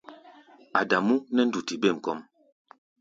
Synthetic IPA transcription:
a˨da˨mu˦nɛ˦n̩˦du˨ti˨be˦˨ŋ̩˨kɔ˦m

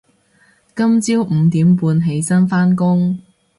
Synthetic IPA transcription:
kɐ˥mt͡siː˥wm̩˨˧t̪iː˨˥mpuː˧nɦe˨˥jsɐ˥nfaː˥nkʊ˥ŋ

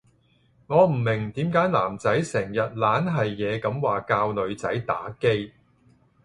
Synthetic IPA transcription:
ŋɔː˨˧m̩˨˩mɪ˨˩ŋt̪iː˨˥mkaː˨˥jlaː˨˩mt͡sɐ˨˥jsɛː˨˩ŋjɐ˨t̚laː˨˥nɦɐ˨jːɛː˨˧kɐ˨˧˥mwaː˨˩kaː˧wlɵ˨˧ɥt͡sɐ˨˥jt̪a̰ː˨˥ke˥j

